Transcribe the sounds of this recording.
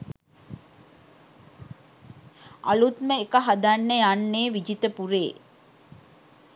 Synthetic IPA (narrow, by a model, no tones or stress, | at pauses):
ʔɐ̰lut̪məekɐɦɐd̪anːeanːeːʋid͡ʒit̪əpuɾeː